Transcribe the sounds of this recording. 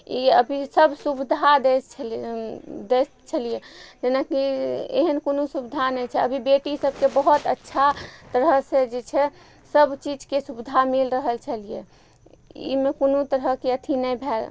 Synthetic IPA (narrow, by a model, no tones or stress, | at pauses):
ḭəbʱisəbsubid̪ʱad̪e | d̪e | t͡ʃʰəlijed͡ʒenakiḛɦənkonusubid̪ʱanɛjt͡ʃʰɛəbʱibeʈisəb̚kebəɦut̪ətːʃʰat̪əɾəsed͡ʒet͡ʃʰɛ | səbt͡ʃid͡ʒkesubid̪ʱamilɾəɦəlt͡ʃʰəlije | ḭmekonut̪əɾɦəkeət̪ʰinɛjbʱel